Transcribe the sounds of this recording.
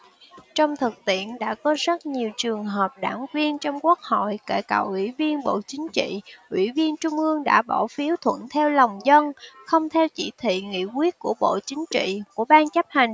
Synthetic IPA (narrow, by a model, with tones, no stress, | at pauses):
t͡ɕɔ˧wŋ͡mt̪ʰɨ˨˩k̚t̪ḭ˧˨ənɗa̰ː˧˥kɔ˨˦zə˦˥t̚ɲi˨˩əwt͡ɕɨ˨˩əŋɦəː˨˩p̚ɗa̰ː˧˩ŋvi˧ənt͡ɕɔ˧wŋ͡mku˦˥ək̚ho̰˧˨jkḛ˧˩ka̰˧˩wʔwḭ˧˩vi˧ənɓo̰˧˨t͡ɕï˨˦ŋ̟t͡ɕḭ˧˨ʔwḭ˧˩vi˧ənt͡ɕʊ˧ŋ͡mʔɨ˧əŋɗa̰ː˧˥ɓɔ˧˩fi˨˦əwt̪ʰwə̰˧˨nt̪ʰɛ˧wla˨˩wŋ͡mzə˧nxə˧wŋ͡mt̪ʰɛ˧wt͡ɕi˧˩t̪ʰḭ˧˨ŋḭ˧˥kwi˦˥ət̚ku˧˩əɓo̰˧˨t͡ɕï˨˦ŋ̟t͡ɕḭ˧˨ku˧˩əɓaː˧nt͡ɕə˦˥p̚ha˨˩jŋ̟